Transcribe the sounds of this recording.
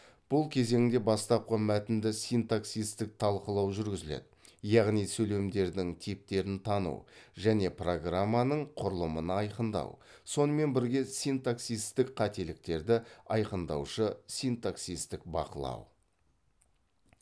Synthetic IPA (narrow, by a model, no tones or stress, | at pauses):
b̥ʊlˠkʲʰe̞ze̞ŋɪnd̪e̞bɑst̪ɑp̚qəmæt̪ɪnd̪ɪsijnt̪aksijst̪ɪk̚t̪ʰɑlˠqəlˠɑwʒʏɾɡʲɪzɪlḛd̪ɪ | jɑʁnijsɵle̞md̪e̞ɾd̪ɪŋt̪ʰip̚t̪e̞ɾɪnt̪ʰɑnṵwʒæne̞pro̞ɡramːanəɴqʰʊɾəlˠəmənəɑjqənd̪ɑ̰wso̞nəme̞nbɪɾɡʲe̞sijnt̪aksijst̪ɪkqʰɑt̪e̞lɪk̚t̪e̞ɾd̪ɪɑjqənd̪ɑ̰wʃəsijnt̪aksist̪ɪk̚bɑ̰qəlˠɑ̰w